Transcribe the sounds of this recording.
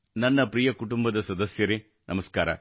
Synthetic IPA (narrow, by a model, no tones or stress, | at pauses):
nɐnːɐpɾijɐkʊʈʊmbɐðɐsɐd̪ɐsjɐɾi | nʔɐmɐska̰ːɾɐ̰